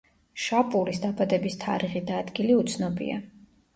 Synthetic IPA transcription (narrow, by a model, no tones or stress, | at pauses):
ʃapʼulisd̪abad̪ɛbist̪ʰaɾiʁid̪aːd̪ɡiliut̪sʰnɔbḭa̰